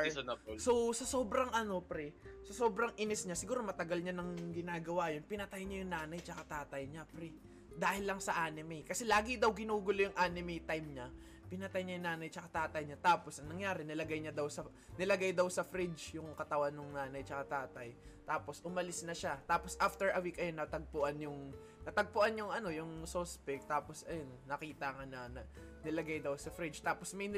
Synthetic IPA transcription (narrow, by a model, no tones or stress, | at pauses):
sosɐso̞ːbɾɐŋʔɐno̞pɾɛsɐso̞ːbɾɐŋʔɪnɪsɲasɪɡuːɾo̞mɐt̪ɐɡalɲanɐŋɡɪnaːɡɐwajonpɪnɐt̪ajɲajʊŋnaːnɐjt͡ʃɐkɐt̪aːt̪ɐjɲapɾɛ | d̪aːhɪlːɐŋsɐʔaːnɪmɛjkɐsɛlaːɡɪd̪ɐwɡɪnuːɡʊlojʊŋʔaːnɪmɛjt̪ajmɲa | pɪnɐt̪ajɲajʊŋnaːnɐjt͡ʃɐkɐt̪aːt̪ɐjɲat̪aːpo̞sʔɐŋnɐŋjaːɾɪnɐlɐɡajɲɐd̪ɐwsɐ | nɪlɐɡajd̪ɐwsɐfɾɪd͡ʒjʊŋkɐt̪ɐwanːʊŋnaːnɐjt͡ʃɐkɐt̪aːt̪ɐjt̪aːpo̞sʔʊmɐlɪsnɐʃat̪aːposʔaft̪ɛɹʔɐwikɐjonɐt̪ɐɡ̚pʊʔanjʊŋ | nɐt̪ɐɡ̚pʊʔanjʊŋʔɐno̞jʊŋsospɛk̚t̪aːpo̞sɐjonːɐkiːt̪ɐŋanɐnɐ | nɪlɐɡajd̪ɐwsɐfɾɪd͡ʒt̪aːposmɐj